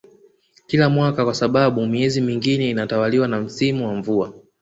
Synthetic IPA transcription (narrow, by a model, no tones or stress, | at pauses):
kilamwakakwasaɓaɓumiɛzimiŋɡinɛinatawaliwanam̩simuwaɱvua